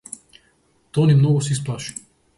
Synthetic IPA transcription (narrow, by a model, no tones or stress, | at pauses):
t̪onimnɔɡɔs̬isplaʃi̥